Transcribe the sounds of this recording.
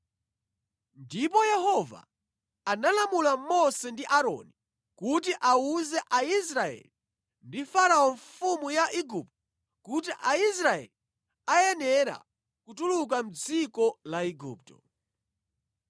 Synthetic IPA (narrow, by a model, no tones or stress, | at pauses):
ndipɔjɛhɔva̰ | analamulamɔsɛndiʔaɾɔ̰ni | kutiʔauzɛʔais̬ɾaɛ̰li | ndifaɾaɔɱfumujaʔiɡup̚tɔ | kut̬iʔais̬ɾaɛ̰li | ajɛnɛɾa̰ | kutuluk̬am̩d͡zikɔlaiɡṵːp̚tɔ̥